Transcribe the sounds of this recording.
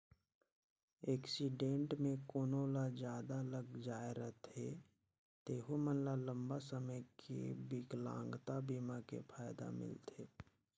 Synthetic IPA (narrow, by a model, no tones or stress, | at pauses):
eːksiɖẽːɳʈmẽkoːnoːlad͡ʒjaːd̪aləɡd͡ʒaːeɾəɦt̪ʰe | t̪eːɦomənlalə̃mbasəməjkʰḭbiɡlã̰ːŋɡt̪abiːmakḛpʰaːjd̪a̰mɪ̰lt̪ʰeː